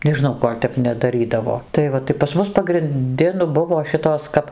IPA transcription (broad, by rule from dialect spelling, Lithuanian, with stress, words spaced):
nʲɛʒʲɪˈnɐʊ ˈkoːlʲ tʲɛp nʲɛdɐˈrʲiːdɐʋoː tɐɪ ˈʋɐ tɐɪ pɐs ˈmʊs pɐɡrʲɪnʲˈdʲɪ nʊ ˈbʊʋoː ˈʃʲɪtoːs kɐp